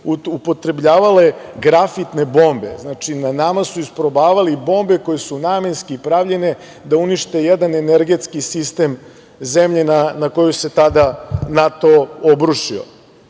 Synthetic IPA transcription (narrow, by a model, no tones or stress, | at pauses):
upo̞t̪ɾe̞bʎaːʋale̞ɡɾafit̪ne̞bo̞ːmbe̞̰znat͡ʃinanamasuispɾobaːʋalibo̞mbe̞ko̞jesunaːmenskiipɾaʋʎe̞ne̞ | d̪auniʃt̪e̞jed̪aneneɾɡe̞t̪skisist̪e̞m | zemʎenanako̞juse̞t̪ad̪anat̪o̞obɾuʃio̰